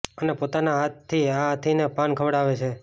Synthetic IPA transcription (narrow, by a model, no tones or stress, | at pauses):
ənepot̪anaɦat̪ʰːiaɦat̪ʰinepankʰəʋɽaʋet͡ʃʰe